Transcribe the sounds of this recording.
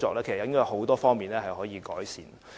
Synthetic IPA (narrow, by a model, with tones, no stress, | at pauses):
t͡sɔː˨k̚lɛː˥kʰe˨˩sjɐ˧˥kːɦo˨˥wt̪ɔː˥fɔː˥ŋmiː˨nlɛ˦˥hɐ˨jhɔː˨˥jiː˨˧kɔː˨˥jsiː˨˩n